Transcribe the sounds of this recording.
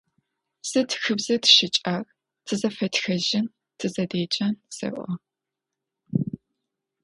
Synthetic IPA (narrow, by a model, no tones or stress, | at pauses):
sɨtxɨbzɐtʃɪt͡ʃʼaːr | tʰɨzɐfɐtxɐʒɪn | tʰɨzɐdeːt͡ʃʼɐnsɐ̰ʔʷɔ